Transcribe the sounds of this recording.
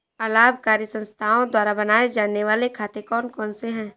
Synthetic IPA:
əlaːb̚ʱkaːɾjəsə̃nst̪ʰaːõd̪waːɾabənaːed͡ʒaːneʋaːlekʰaːt̪ekɔːnkɔːnseɦɛ̃ː

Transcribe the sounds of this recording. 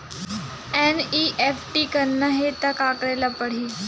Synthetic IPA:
eniʔefʈiːkəɾnːaɦet̪akakɽalapəɽ̤iː

